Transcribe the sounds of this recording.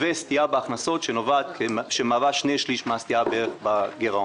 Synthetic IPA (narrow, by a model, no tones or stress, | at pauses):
vest̪iabeaχnaso̞t̪ʃenovat̪̚keʃemaːvaʃnejʃliʃmaast̪iabeeʁeχbaɡeʁo